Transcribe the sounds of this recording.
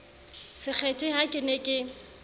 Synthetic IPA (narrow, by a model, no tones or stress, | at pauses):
sɪk͡xʰɛtʼɪhakʼɪnekʼɪ